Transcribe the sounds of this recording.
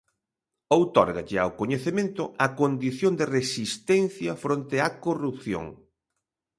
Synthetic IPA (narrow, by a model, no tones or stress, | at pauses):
owt̪ɔɾɣaʎɪawkoɲeθemẽnt̪ʊ̰ɐkond̪iθjoŋd̪eresist̪ɛnθjɐfɾont̪ɪɐkorup̚θjo̰ŋ